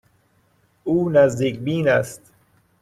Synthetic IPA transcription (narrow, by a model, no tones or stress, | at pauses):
uːnæzd̪iːkbiːnæst̪